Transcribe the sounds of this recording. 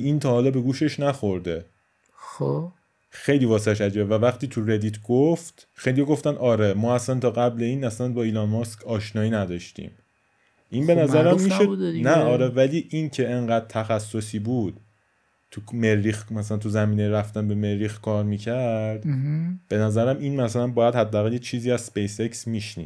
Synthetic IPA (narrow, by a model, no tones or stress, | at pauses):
int̪ʰɒːhɒːlɒːbe̞ɡuːʃe̞ʃnæxo̞ɾd̪e | o | xe̞jliːvɒːseʃ̬æd͡ʒibevævæxt̪iːt̪ʰure̞d̪iːt̪ʰɡoft̪ | xejlijɒɡoft̪ænʔɒːɾemɒːæsænt̪ʰɒːɣæble̞iːnæsænbɒːiːlɒːnmɒskʰɒːʃnɒːiːnæd̪ɒʃt̪ḭm | ʔinbe̞næzæɾæmmiʃonæɒːɾevæliːʔincʰe̞eɴɢæːd̪̥̚t̪ʰæxæsːo̞siːbuːd̪̥ | t̪ʰumeɾːixmæsælænt̪uzæmiːnejɾæft̪ænbe̞me̞ɾːixkʰɒːɾmiːcʰæɾd̪̥b̥e̞næzæɾæmiːnmæsælænbɒːjæd̪hæd̪ːæːɣæljet͡ʃʰiːziːæz̥spejseksmiːʃnḭ